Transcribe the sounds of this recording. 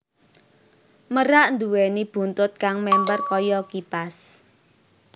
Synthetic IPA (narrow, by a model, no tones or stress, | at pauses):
məɾaʔnd̪uwɛnib̥ṳnt̪ʊt̪̚kaŋmɛmpərkɔjɔkipas